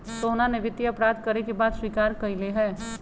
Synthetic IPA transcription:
soːnaneʋɪt̪jɐpɾaːd̪kɐɾekebaːd̪swiːkaːɾkɐileɦɛː

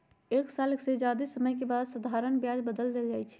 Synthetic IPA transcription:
eːksaləksed͡ʒad̪esəməjkebad̪səd̪ʱaɾənbjad͡ʒbəd̪əld̪eld͡ʒaːjt͡ʃʰɛ̥

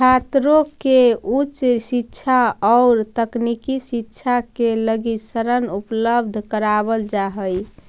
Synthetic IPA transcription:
t͡ʃʰat̪ɾokeut͡ʃsitːt͡ʃʰaɔːɾt̪əknikisiːʃʰakeləɡisəɾənupləbd̪ʱkəɾabəld͡ʒaɦəj

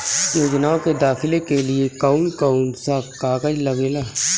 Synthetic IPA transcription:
joːɡnaːoked̪aːxɪlekelɪekaːʊnkaːʊnsakaːkəd͡ʒləɡeːlaː

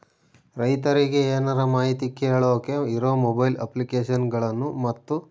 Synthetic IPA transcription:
ɾɐjt̪ɐɾiɡe̞eːnɐɾɐmaːɦit̪ikːeːɭoːkeiɾoːmobɐjlɐ̰plikeːʃɐnɡɐɭɐnːumɐt̪ːu

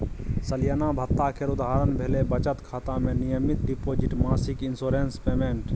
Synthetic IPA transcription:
səljənabʱət̪ːakʰeːɾʊd̪aɦːɾənbʱeːlebət͡ʃət̪kʰaːt̪ãmẽnɪjəmɪt̪ɖipoːd͡ʒɪʈmaːsɪkɪnsoːɾeːnspeːmeːɳʈ

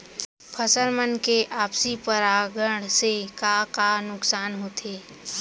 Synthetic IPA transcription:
pʰəsəɾmənkeʔaːpsipəɾaɡəɽsekakanʊksaːnɦoːt̪ʰeː

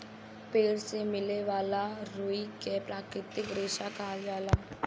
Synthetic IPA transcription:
peːɽsemɪleʋaːlaɾuikepɾaːkɾɪt̪ɪkɡɾeːʃakaːljaːlaː

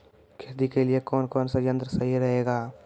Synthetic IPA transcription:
kʰeɾd̪ikeliekɔːnkɔːnsɐjɐ̃nt̪ɾəsɐɦiɾɐɦeːɡaː

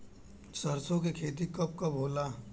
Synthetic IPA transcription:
sɐɾsõkekʰeːt̪̬ikɐp̚kɐbʱoːlaː

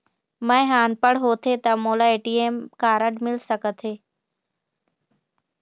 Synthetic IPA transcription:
mə̃ẽɦaːnpəɽɦoːt̪ʰet̪ɐmoːlaeːʈiːeːmkaːɾəɖmɪlsəkət̪ʰeː

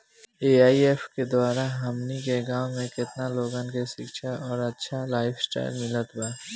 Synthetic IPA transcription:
eːaːieːfked̪waːɾaɦɐmnikeɡãːwmẽkɪt̪naloːɡãnkeʃɪkʃaʔɔːɾɐtːʃʰalaːɪpʰsʈa̰ːɪlmɪlət̪baː

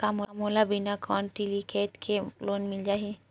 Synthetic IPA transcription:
kamomolabinakʰɔnʈilikʰeʈkʰelonmild͡ʒaːɦi

